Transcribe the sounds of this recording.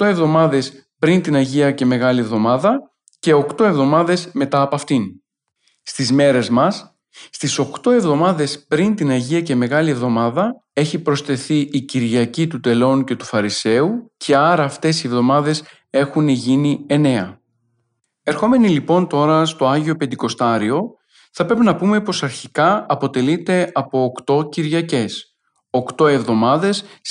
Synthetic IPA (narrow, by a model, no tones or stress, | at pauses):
kt̪o̞e̞vðo̞mɐðe̞s | pɾint̪inɐʝiɐce̞me̞ɣɐlievðo̞mɐðɐ | ce̞o̞kt̪o̞e̞vðo̞mɐðe̞sme̞t̪ɐːpoɐft̪in | st̪izme̞ɾe̞zmɐsː | t̪iso̞kt̪o̞e̞vðo̞mɐðe̞spɾint̪inɐʝiɐce̞me̞ɣɐlie̞vðo̞mɐðɐ | e̞çipɾo̞st̪e̞θiʔiciɾʝɐcit̪ut̪e̞lo̞nce̞t̪u̥fɐɾise̞ucʰe̞ɐɾɐːft̪e̞sie̞vðo̞mɐðe̞s | e̞xuneʝinie̞ne̞ɐ | e̞ɾxo̞me̞nilipo̞nt̪o̞ɾɐst̪o̞ɐʝio̞pend̪iko̞st̪ɐɾio̞ | θɐpɾe̞pinɐpume̞po̞sɐɾçikɐɐpo̞t̪e̞lit̪e̞ɐpo̞ːkt̪o̞ciɾʝɐce̞s | o̞kt̪o̞e̞vðo̞mɐðe̞s